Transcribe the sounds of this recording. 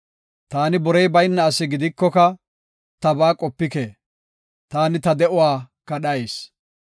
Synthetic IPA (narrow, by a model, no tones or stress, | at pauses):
t̪aːnɪbɔɾɛjbɐjnːɐːsɪɡɪd̪ɪkːɔkɐ | t̪ɐbaːkʼɔpːɪkeː | t̪aːnɪt̪ɐd̪ɛʔʊwaːkːɐɗɐjs